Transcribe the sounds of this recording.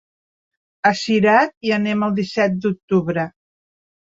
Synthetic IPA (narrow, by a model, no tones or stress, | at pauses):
əsiɾat̪̚iənɛməlˠd̪isɛt̪̚d̪uk̚t̪uβɾə